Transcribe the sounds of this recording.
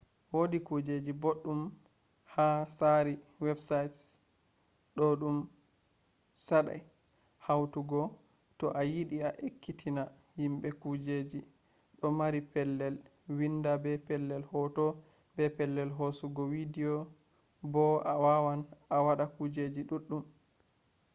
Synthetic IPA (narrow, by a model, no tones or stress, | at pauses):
wodikud͡ʒed͡ʒiboɗːum | hasaɾiwɛbsajts | ɗɔɗum | saɗa̰j | hawtuɡɔ | tɔʔajiɗiaʔekʰːitʰina | himbɛkud͡ʒed͡ʒi | ɗɔmaɾipɛlːɛl | windabɛpɛlːɛlhɔtɔ | bɛpɛlːɛlɦosuɡɔwidiɔ | bɔawawanawaɗakud͡ʒed͡ʒiɗuɗːum